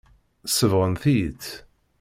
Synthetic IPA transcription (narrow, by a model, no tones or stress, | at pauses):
səvʁənθit̪